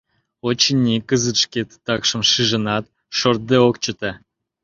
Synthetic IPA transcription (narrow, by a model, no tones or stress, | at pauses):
ot͡ɕinʲːikəzɨt̪ʃket̪ːɑkʃə̆mʃɨʒə̆nɑt̪ | ʃort̪̚d̪eokt͡ɕə̆t̪e